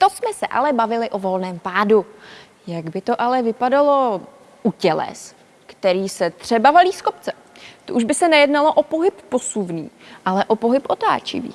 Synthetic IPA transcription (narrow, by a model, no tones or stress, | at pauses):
t̪osmɛsɛʔa̰lɛbavɪlɪʔo̞vo̞lnɛːmpaːdu | jaɡbɪt̪o̞ʔalɛvɪpadalo̞ | ʔucɛlɛ̰s | kt̪ɛɾiːsɛt̪r̝̥ɛbavaliːskopt͡sɛ̥ | t̪oʔuʒbɪsɛnɛjɛdnalo̞ʔopo̞ɦɪpːo̞suvnḭːʔalɛʔo̞po̞ɦɪpʔo̞t̪a̰ːt͡ʃɪ̰vḭː